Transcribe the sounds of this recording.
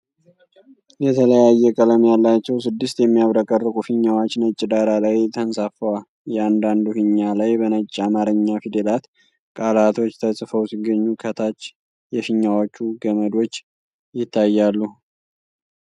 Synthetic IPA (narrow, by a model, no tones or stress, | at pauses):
jɛt̪ʰələjajːɛkʼələmjalːat͡ʃːɛwsɨd̪ːɨst̪jɛmːijaβɾəkʼərːɨkʼufiɲːawat͡ʃːnət͡ʃʼːɪd̪aɾalajt̪ʰənsafəwal | jɛand̪and̪uhɨɲːalajbənət͡ʃʼːamaɾəɲːafid̪elat̪ | kʼalat̪ʰo̞t͡ʃːt̪ʰəsʼɨfəwsiɡːəɲːukʰət̪ʰat͡ʃː | jɛfɪɲːawot͡ʃːuɡəməd̪o̞t͡ʃː | jɪt̪ʰːajːalːu